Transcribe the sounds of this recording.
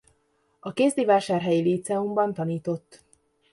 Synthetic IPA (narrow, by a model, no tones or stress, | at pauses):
ɒkeːzd̪ivaːʃaːrɦɛjiliːt̪sɛumbɒnt̪ɒniːt̪o̞t̪ː